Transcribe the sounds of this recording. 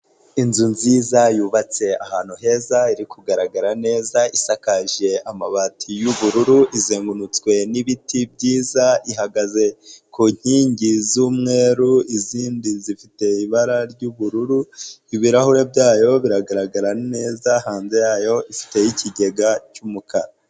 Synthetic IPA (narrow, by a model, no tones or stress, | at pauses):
inzunziːzajuːβat͡se̞ahaːn̥huɦe̞ːzaiɾikʰuɡaɾaɡaɾane̞ːzaisakaʒe̞amaβatʰijuβuɾuɾuʔizeːŋɡunut͡skwe̞niβitib̚ɟiːzaiɦaɡaze̞kuɲ̥hiːɲɟizuːmŋe̞ːɾuiziːndinzifite̞iβaɾaɾɟuβuɾuɾuiβiɾahuɾe̞bjaːjo̞βiɾaɡaɾaɡaɾane̞ːzahaːnze̞jaːjo̞ʔifi̥te̞jicʰiɟe̞ɡacumukʰaɾa